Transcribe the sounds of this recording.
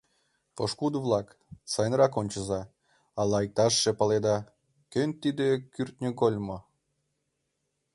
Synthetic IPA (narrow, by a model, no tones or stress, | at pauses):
poʃkud̪əvlˠɑk | sɑjnrɑkonʲt͡ɕəzɑ | ɑlɑjk̚t̪ɑʃːepɑled̪ɑ | kønʲt̪id̪ekyrt̪̚nʲəɡolʲmo